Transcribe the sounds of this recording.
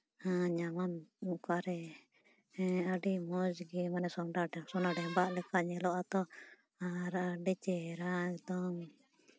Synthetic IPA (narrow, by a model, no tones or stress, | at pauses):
aɲamanukaɾɛ | aɖimɔd͡ʒɡɛmanɛsɔɖaɖɛsɔnaɖɛbaʔlɛkaɲɛlɔʔat̪ɔ | aɾaɖit͡ʃɛɾaɛkd̪ɔŋ